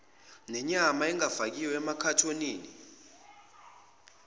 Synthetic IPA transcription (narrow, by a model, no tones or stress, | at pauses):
nɛɲamaɛŋafak̬iwɛɛmakʰatʰoniːni